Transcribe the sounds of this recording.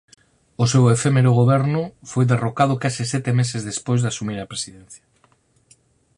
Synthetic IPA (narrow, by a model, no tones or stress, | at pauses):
osewefemeɾoɣ̞oβɛɾnʊfojðerokað̞ʊkasisɛt̪emesezðespojzðasumiɾapɾesiðen̟θjḁ